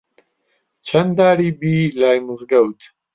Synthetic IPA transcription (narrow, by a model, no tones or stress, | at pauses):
t͡ʃʰɐnd̪aːɾiːbiːlaːjmɨzɡɐwt̪ʰ